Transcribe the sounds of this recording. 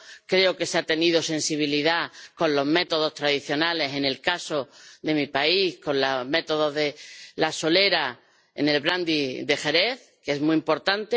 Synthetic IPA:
kɾe̞oke̞seat̪e̞nið̞ose̞nsiβ̞iliðako̞nlo̞zme̞t̪o̞ð̞o̞st̪ɾaðiθjo̞nale̞se̞ne̞lkaso̞ðe̞mipaihkõ̞nlame̞t̪o̞ð̞o̞ðe̞laso̞le̞ɾa | ḛne̞lβɾand̪iðe̞xe̞ɾe̞θ | keezmuimpo̞ɾt̪ant̪e

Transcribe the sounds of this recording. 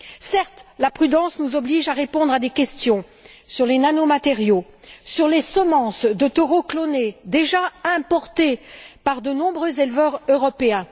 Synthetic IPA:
sɛʁt̪lapχyd̪ɑ̃snuzɔbliʒaʁepɔ̃d̪ʁad̪ekʲɛst̪jɔ̃ | syʁlenanomat̪eʁjo | syʁlesəmɑ̃sd̪ət̪ɔʁoklɔned̪eʒaɛ̃pɔʁt̪epaʁd̪ənɔ̃bʁøzelvœʁøʁɔpeɛ̃

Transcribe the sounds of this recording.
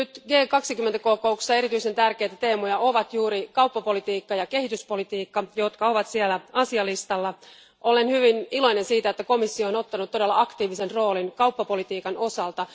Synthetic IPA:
nyt̪ɡe̞ːkɑksikymːent̪æko̞koukssːɑe̞ɾit̪yise̞nt̪ærke̞jt̪æt̪e̞ːmojɑo̞ʋɑt̪juːɾikɑwpːɑpo̞lit̪iːkːɑjɑke̞hit̪yspo̞lit̪iːkːɑjo̞t̪kɑo̞ʋɑt̪sielːæɑsiɑlist̪ɑlːɑ | ʔo̞le̞nhyʋinilo̞jne̞nsiːt̪æet̪ːæko̞misːioːno̞t̪ːɑnut̪t̪ːode̞lːɑɑkt̪iːʋisenro̞ːlinkɑupːɑpo̞lit̪iːkɑno̞sɑlt̪ɑ

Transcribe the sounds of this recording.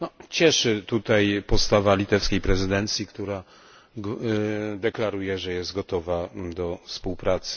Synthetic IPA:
nɔt͡ɕɛʂɘt̪ut̪ajpɔt̪st̪avalʲit̪ɛfskʲejpɾɛzɘd̪ɛnt̪sʲjikt̪uɾa | d̪ɛklaɾujɛʐɛjɛst̪̚ɡɔt̪ɔvad̪ɔfspuwpɾat̪sɘ̥

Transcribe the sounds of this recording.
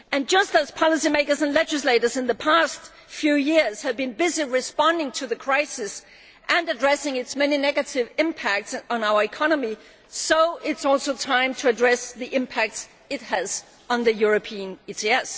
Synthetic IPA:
ɨ̃nd͡ʒʌstəz̥pʰɑlˠəsimeɪkə˞zə̃nlɛd͡ʒɨsleɪɾə˞zɨ̃nðɨpʰæst | fjʉjɪɹz̥hɨvbɨ̃nbɪziɹɨspɑ̃ndɪ̃ŋtʰɨðɨkʰɹ̥aɪsɨs | ʔɨ̃nɨdɹɛsɪ̃ŋɨtsmɛninɛɡɨɾɪvɪ̃mpʰæk̚tsn̩aʊə˞ɨkʰɑnəmi | soʊʔɪtsɔlˠsoʊtʰãɪ̃mtʰɨɨdɹɛsðiʔɪ̃mpʰæk̚ts | ɨt̚hɨz̥ | n̩ðɨjʊɹɨpʰiɨ̃nitʰiɛs

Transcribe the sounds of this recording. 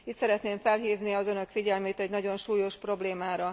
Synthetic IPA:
iːt̪sɛɾɛt̪neːɱfɛlɦiːvniɒzø̞nø̞kfiɟɛlmeːt̪ɛɟnɒɟo̞nʃuːjoʃpro̞bleːmaːɾɒ

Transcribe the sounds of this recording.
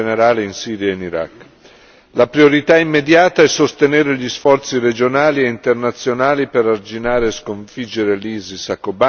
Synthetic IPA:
neɾaːleinsiːɾjaeniɾa̰kː | lapɾioɾit̪aimːed̪jaːt̪aɛsost̪eneːɾeʎisfɔrt̪siɾed͡ʒonaːlieint̪ernat̪sːjonaːlipeɾard͡ʒinaːɾeːskoɱfid͡ʒːeɾeliːzisakːoba

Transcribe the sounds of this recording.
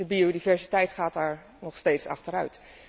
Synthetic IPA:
əbiodivɛɹsitɛjtχaːt̚daːɹ | nɔχstejtsɑ̰χtəɾœɥt

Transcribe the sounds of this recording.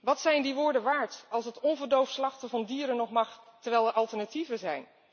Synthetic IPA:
ʋɑtsɛjndiʋʊːɹdəʋaːɹtɑlˠsətɔnvəɹdowfslɑχtəvɑndiːɾənːɔχmɑχtəɹʋɛjlˠɛɹʔɑlˠtəɹnativəzɛjn

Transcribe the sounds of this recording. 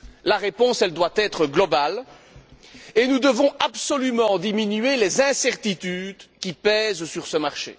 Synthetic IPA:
laʁepɔ̃sɛld̪wat̪ɛt̪χəɡlɔbal | enud̪əvɔ̃apsɔlymɑ̃d̪iminyɥelezɛ̃sɛʁt̪it̪yːd̪kʲipɛːzsyʁsəmaʁʃḛ

